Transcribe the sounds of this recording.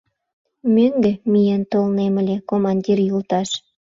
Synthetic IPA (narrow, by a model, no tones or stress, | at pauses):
møŋɡĕmijent̪olnemə̆lʲekomɑnʲdʲirjult̪ɑʃ